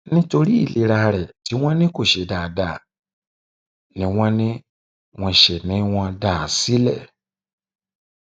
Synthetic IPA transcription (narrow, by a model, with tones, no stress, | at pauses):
nĩ˦to˧ɾi˦i˦˨li˨˧˦ɾa˧ɾɛ˨ti˨˦w̃ɔ̃˦nĩ˦ko˦˨ʃe˨daː˨da˨ | nĩ˨˦w̃ɔ̃˦nĩ˦ | w̃ɔ̃˧ʃe˨nĩ˨˦w̃ɔ̃˧da˦˨si˦lɛ˦˨